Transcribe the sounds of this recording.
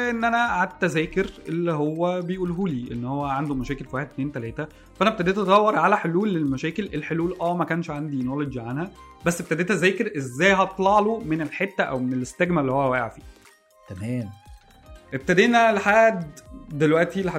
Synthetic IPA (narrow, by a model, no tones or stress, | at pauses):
ʔenːʔænæʕad̪̚t̪ːæzæːkeɾʔelːiɦowːæbejʔuːlɦuːliːʔenːhowːæʕand̪umæʃæːkelfiwaħed̪t̪neːnt̪ælæːt̪æ | fæʔænæb̚et̪æd̪eːt̪ɑt̪ˤɑwːɑɾˤʕalæħoluːlːelmæʃæːkelʔelħoluːlʔæːmækæːnʃʕand̪inoled͡ʒʕanhæbæsːʔeb̚t̪æd̪eːt̪æzæːkeɾʔezːæːjɦɑˤlɑʕlomenelħet̪ːæʔæ̰wmenelest̪æɡmælːihowːæwæːʔḛʕfiː | t̪æmæːm | ʔeb̚t̪æd̪eːnːælħaːd̪ːelwæʔt̪ilːiħa